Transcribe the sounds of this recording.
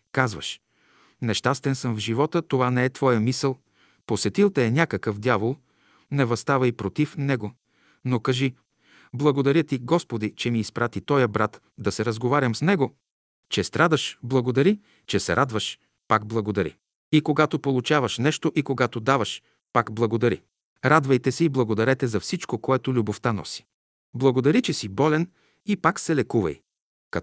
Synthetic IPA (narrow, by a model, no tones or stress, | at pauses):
kazvə̰ʃ | nɛʃt̪ast̪ɛnsəmvʒivɔt̪ət̪ovanɛɛt̪vɔjəmisəlˠ | posɛt̪ilˠt̪ɐɛnʲakəkəfd̪javolˠ | nɛvɐst̪avɐipɾot̪ifnɛɡo | nokɐʒi | blˠɐɡod̪ɐɾʲjət̪iɡɔspod̪it͡ʃɛmiːspɾʔat̪it̪ɔjəbɾat̪ | d̪ɐsɛɾəzɡovaɾʲɐmsnɛɡo | t͡ʃɛst̪ɾad̪ɐʃblˠɐɡod̪ɐɾi | t͡ʃɛsɛɾʔad̪vɐʃ | paɡ̚blˠɐɡod̪ɐɾḭ | ikoɡat̪opolˠut͡ʃavɐʃnɛʃt̪oʔikoɡat̪od̪avɐʃ | pakblˠɐɡod̪ɐɾḭ | ɾad̪vɐjt̪ɛsɛiblˠɐɡod̪ɐɾɛt̪ɛzɐfsit͡ʃkokoɛt̪olʲuboft̪anɔ̰si̥ | blˠɐɡod̪ɐɾit͡ʃɛsibɔlɛn | ipaksɛlɛkuvɐ̰j | kɐ